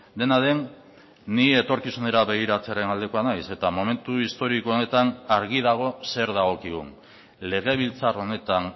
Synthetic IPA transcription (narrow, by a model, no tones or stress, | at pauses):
d̪e̞naðe̞nː | iet̪o̞ɾkisune̞ɾaβe̞ɣ̞iɾat͡se̞aɾe̞nald̪e̞ko̞anajse̞t̪amo̞me̞nt̪uist̪o̞ɾikoone̞t̪anaɾɣið̞aɣ̞o̞se̞ɾðaɣ̞o̞kiɣṵn | le̞ɣ̞e̞β̞ilt͡saro̞ne̞t̪an